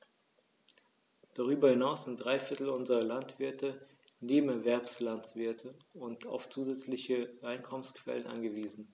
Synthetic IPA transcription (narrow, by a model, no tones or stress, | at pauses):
d̥aʁ̞yːbɐhɪnaʊsz̥ɪnt̚d̥ʁaɪfɪɐtl̩ʊnzəʁɐlantv̥ɪɐtə | neːbm̩ɛɐvɛɐpslant͡sv̥ɪɐtʰəʊntʰa̰ʊft͡suːzɛt͡slɪçəaɪnkʰɔmənskv̥ɛ̰lənʔa̰nɡəviːzn̩